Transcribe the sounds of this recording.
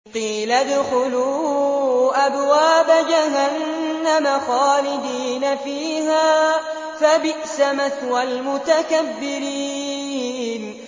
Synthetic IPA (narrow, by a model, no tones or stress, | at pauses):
qiːlad̪ʊxʊluː | ʔabwaːbad͡ʒaɦanːamaxaːlɪd̪iːnafiːɦaː | fabɪʔsamat̪walmʊt̪akabːɪɾiiː | n